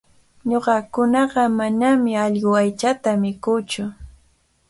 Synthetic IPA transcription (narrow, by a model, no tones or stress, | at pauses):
ɲoɢɑkʊnɑɢɑmanamɪɑʎɢoajt͡ʃat̪amɪkʊːt͡ʃʊ